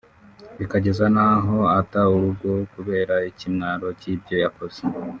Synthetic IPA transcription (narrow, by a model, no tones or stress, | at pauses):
βikaɟe̞zanaɦo̞atauɾuɡo̞kuβe̞ːɾaicimŋaːɾo̞cib̚jo̞jako̞z̥e